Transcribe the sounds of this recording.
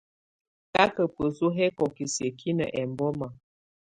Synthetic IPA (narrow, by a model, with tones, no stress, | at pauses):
ka˦kə˨pə˨su˦ɦɛ˦kɔ˨ki˨sjə˨kʰi˦nə̰˨ʔɛ˨mbɔ˦ma˨